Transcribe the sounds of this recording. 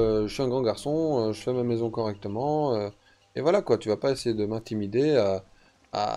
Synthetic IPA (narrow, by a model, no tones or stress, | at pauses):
øʒəsɥiɛ̃ɡʁɑ̃ɡaʁsɔ̃øʒəfɛmamɛzɔ̃kɔʁɛk̚t̪əmɑ̃ø | evwalakwat̪yvapaesejed̪əmɛ̃t̪imid̪ea | a̰